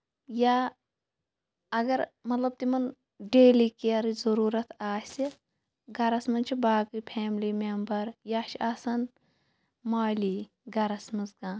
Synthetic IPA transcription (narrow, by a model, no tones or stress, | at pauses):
jaː | ɐɡɐɾmɐt̪lɐb̚t̪imɐn | ɖeːlikeɐɾizɐɾuːɾɐt̪ʰaːsʲi | ɡɐɾɐsmɐnt͡ʃʰibaːkipʰeːmlimembɐɾjaːʃʰiaːsɐn | maːliː | ɡɐɾɐsmɨzɡãː